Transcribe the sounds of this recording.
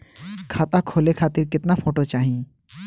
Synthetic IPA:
kʰaːt̪akʰoːlekʰaːt̪iɾkɪt̪napʰoːʈot͡ʃaːɦĩ

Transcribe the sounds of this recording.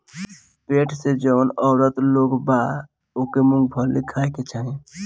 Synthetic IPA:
peʈʰsed͡ʒənɔʊɾət̪loɡba | okemũŋɡ̚bʱəɾlikʰaeket͡ʃʰaɦĩ

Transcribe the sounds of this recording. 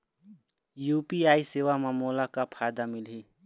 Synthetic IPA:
jupiaisewamamolakapʰajd̪amilɦi

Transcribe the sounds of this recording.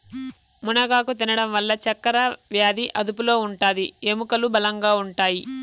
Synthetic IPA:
munɐɡaːkut̪̬inɐɽɐmʋɐlːɐt͡ʃɐkːɐɾɐʋjaːd̪iʔɐd̪upulo̞ːuɳʈaːd̪iemukɐlubɐlɐŋɡaːuɳʈaːji

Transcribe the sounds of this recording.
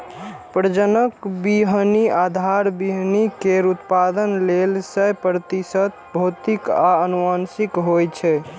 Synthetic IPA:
pɾəd͡ʒənəkbiɦniad̪ʱaɾbiɦnikeɾut̪pad̪ənlelsəjpɾət̪isət̪bʱot̪ikaənuansikɦojt͡ʃʰɛ

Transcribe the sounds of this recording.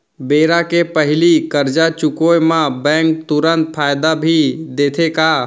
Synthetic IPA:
beːɾakepəɦɪlikəɾd͡ʒat͡ʃʊkojmãbɛ̃ːŋk̚t̪ʊɾə̃nt̪̚fʰaːjd̪abʱid̪eːt̪ʰeka

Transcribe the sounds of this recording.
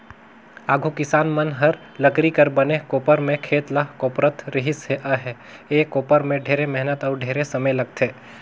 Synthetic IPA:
aːɡʱukɪsaːnmənɦɐɾ | ləkɾikəɾbənekoːpəɾmẽkʰeːt̪lakoːpɾət̪ɾɪɦɪseʔəɦɛ | eːkoːpəɾmẽɖʱeːɾemɛɦnət̪ɔːɾɖʱeːɾesəməjlɐɡ̚t̪ʰeː

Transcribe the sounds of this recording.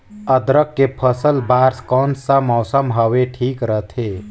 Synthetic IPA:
əd̪ɾəkːepʰəsəlbaːɾskɔːnsamɔːsəmɦəʋeʈʰiːkɾəɦt̪ʰeː

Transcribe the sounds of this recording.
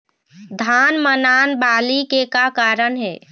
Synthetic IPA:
d̪ʱaːnmənaːnbaːlikekakaːɾənɦɛː

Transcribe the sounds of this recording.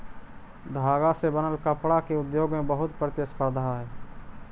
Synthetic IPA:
d̪ʱaːɡasebənəlkəpɽakeʊd̪joːɡmẽbəɦʊt̪pɾət̪jəspəɾd̪ʱaɦɛː

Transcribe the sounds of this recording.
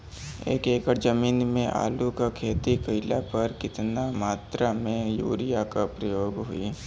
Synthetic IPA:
ḛːkeːkəɾd͡ʒəmiːnmẽʔa̰ːlukakʰeːt̪ikəɪlapɐɾkɪt̪namaːt̪ɾamẽjṵːɾijakapɾəjoːɡɦʊi

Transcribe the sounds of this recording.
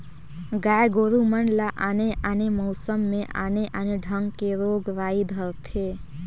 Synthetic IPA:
ɡajɡoɾuməɳlaʔaneʔanemɔwsəmːẽʔa̰neʔaneɖʱəŋɡkeɾoɡɾaid̪ʱəɾt̪ʰe

